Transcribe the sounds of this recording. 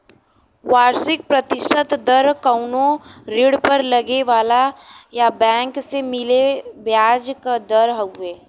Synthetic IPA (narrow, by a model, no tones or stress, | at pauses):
ʋaːɾʃɪk̚pɾət̪ɪʃʈət̪d̪ɐɾkəʊnõɾɪɽpəɾlɐɡeʋaːlajabɛ̃ːŋksemɪlebjaːd͡ʒkad̪ɐɾɦəɡʊeː